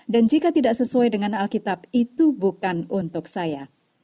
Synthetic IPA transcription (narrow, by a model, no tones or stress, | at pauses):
dand͡ʒikat̪idaʔsəsuajdəŋanalkit̪ap̚it̪ubukanunt̪ʊk̚saja